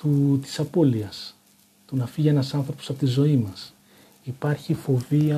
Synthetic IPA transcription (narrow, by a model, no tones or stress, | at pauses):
t̪ut̪i̥sɐpo̞liɐs | t̪unɐfiʝenɐsɐnθɾo̞poɐpo̞t̪izo̞imɐs | ipɐɾçifo̞viɐ